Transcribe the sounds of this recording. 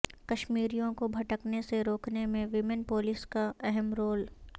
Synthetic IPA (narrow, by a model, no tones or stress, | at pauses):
kɐʃmiːɾijõkobʱɐʈəkneseɾoːkʰnemẽʋɪmənpoːlɪskaɛɦɛmɾoːl